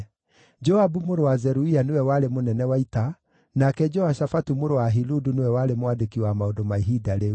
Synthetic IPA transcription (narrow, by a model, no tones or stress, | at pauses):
d͡ʒɔabumoɾowazɛɾuianewɛwaɾemonɛnɛwaita | nakɛd͡ʒɔaʃafatumoɾowaɦiludunewɛwaɾemowadekiwamaodomaiɦidaɾe